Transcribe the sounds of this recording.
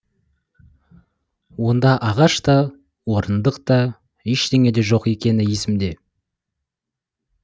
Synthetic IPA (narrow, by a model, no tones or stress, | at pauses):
wo̞nd̪ɑʔɑʁɑʃt̪ɑ | woɾənd̪əqt̪ɑ | eʃt̪e̞ŋʲe̞d̪e̞ʒo̞qe̞kʲe̞nɪje̞sɪmd̪e̞